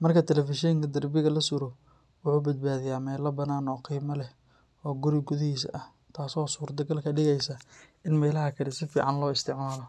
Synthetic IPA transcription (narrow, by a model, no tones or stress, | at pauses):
mɐrkʰɐt̪ʰɛlɛfɪʃɛŋkʰɐd̪ɐrbɪɣɐlɐsʊɾɔ | wʊħuːbɐd̪̚baːðɪjaːmɛːlɐbɐnaːnɔːqiːmɐlɛh | ɔːɡʊɾɪɡʊðɪhiːsɐʔɐh | t̪ʰaːsɔːsuːɾd̪ɐɡɐlkʰɐɖɪɣɛjsɐɪnmɛːlɐɦɐkʰɐɾɪsɪfḭːʕɑnlɔːɪst̪ʰɪʕmaːlɔ